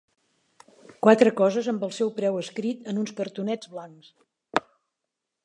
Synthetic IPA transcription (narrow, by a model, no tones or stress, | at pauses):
kwat̪ɾəkɔzəzəmbəlˠsɛwpɾɛwəskɾit̪ənunskəɾt̪unɛd͡zβlaŋks